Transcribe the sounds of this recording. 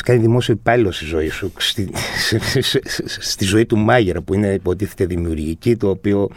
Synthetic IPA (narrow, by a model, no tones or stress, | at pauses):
skɐniðimo̞sio̞ipɐlilo̞st̪izo̞isust̪issst̪izo̞it̪umɐʝeɾɐpuine̞ipo̞t̪iθet̪eðimiuɾʝicit̪o̞ːpio̞